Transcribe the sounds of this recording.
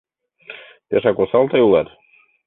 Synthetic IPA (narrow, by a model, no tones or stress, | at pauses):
t̪eʃɑkosɑlˠt̪ɑjulˠɑt̪